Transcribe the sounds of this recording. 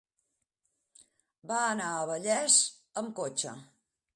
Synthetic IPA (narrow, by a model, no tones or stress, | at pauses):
baənaəβəʎɛz | əmkot͡ʃə̰